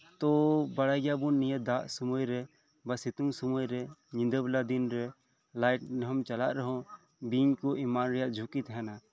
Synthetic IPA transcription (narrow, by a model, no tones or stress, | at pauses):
t̪obɐɽajɡjabunːijəd̪aːʔsumojɾɛ | bəsit̪ũŋsumojɾɛɲĩnd̪əblad̪inɾɛ | laːjʈnɦɐmt͡ʃɐlaʔɾəɦõ | biɲkoʔimaːnɾijaʔd͡ʒʱukit̪ɦɛna